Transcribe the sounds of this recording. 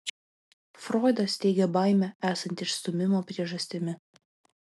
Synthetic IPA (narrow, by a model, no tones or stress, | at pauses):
fɾɔɪd̪ɐst̪ʲɛɪɡʲɛbɑˑɪmʲɛæːsɐnʲt̪ʲɪʃst̪ʊmʲɪmoːpʲɾʲiɛʒɐsʲt̪ʲɪmʲɪ